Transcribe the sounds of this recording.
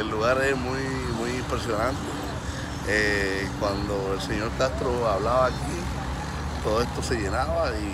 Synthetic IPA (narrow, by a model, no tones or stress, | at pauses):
elːuɣaɾemuj | mujimpɾesjonãnt̪e | e | kwand̪oelseɲo̞ɾkast̪ɾoaβlaβaːki | t̪oðoe̞st̪o̞se̞ʝe̞naβai